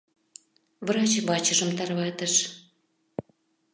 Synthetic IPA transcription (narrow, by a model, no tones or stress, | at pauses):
vrɑt͡ɕβɑt͡ɕə̆ʒə̆mt̪ɑrβɑt̪əʃ